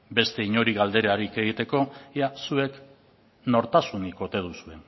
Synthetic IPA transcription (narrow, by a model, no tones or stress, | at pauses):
be̞st̪e̞iɲo̞ɾiɣald̪e̞ɾaɾike̞ɣ̞it̪e̞ko̞jasue̞k | no̞ɾt̪asuniko̞t̪e̞ð̞usue̞